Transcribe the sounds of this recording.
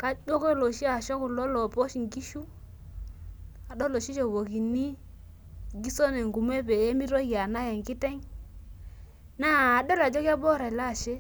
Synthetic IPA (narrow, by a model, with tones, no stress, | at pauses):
ka˦d͡ʒo˦kɔ˦lo˨ʃi˦a˨ʃɔ˦ku˨lɔ˦lɔ˨pɔ˦ʃi˨ŋɡi˦ʃu˦ | a˨ɗɔ˦lo˨ʃi˦ʃɔ˨wo˨ki˨ni˦ | ɡi˦sɔ˦nɛ˨ŋɡu˨mɛ˦be˨e˦mi˦ɾɔ˦ja˨na˦jɛ˨ŋki˦tɛ˦ŋ | naː˦˨ɗɔ˦la˨d͡ʒɔ˦kja˦bɔ˦ɾa˨la˦˨ʃe˦